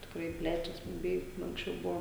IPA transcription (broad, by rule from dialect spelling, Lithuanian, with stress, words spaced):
tʲɪkˈrɐɪ ˈpʲlʲæːt͡ʃʲɛs bʊˈbʲɛɪ ɐŋksʲˈt͡ʃʲɛʊ ˈbʊʋoː